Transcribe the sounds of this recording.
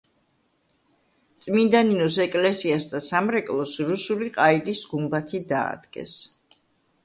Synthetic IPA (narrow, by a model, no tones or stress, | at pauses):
t̪sʼmind̪aninɔs̬ɛkʼlɛsiasd̪asamɾɛkʼlˠɔsɾusuliqʼaid̪isɡumbat̪ʰid̪a̰ːd̪̥ɡɛ̰s